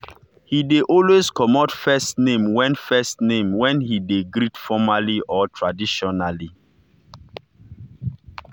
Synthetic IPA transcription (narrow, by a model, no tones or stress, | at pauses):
hideʔɔlwezkɔmɔtfɛstnẽmwɛ̃nfɛstnẽmwɛ̃nhideɡɹidfɔmaliʔɔtʰɹadiʃɔnali